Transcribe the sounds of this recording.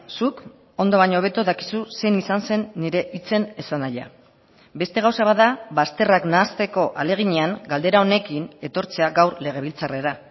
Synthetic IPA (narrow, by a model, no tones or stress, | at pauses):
suk | o̞nd̪o̞β̞aɲo̞ːβe̞t̪uðaki̥suse̞jnisanse̞nːiɾe̞ʔit͡se̞ne̞sanaja̰ | be̞st̪e̞ɣawsaβaðaβast̪e̞raknaːst̪e̞ko̞ʔale̞ɣ̞iɲe̞aŋɡald̪e̞ɾao̞ne̞kine̞t̪o̞ɾt͡se̞aɡawɾle̞ɣ̞e̞β̞ilt͡sare̞ɾa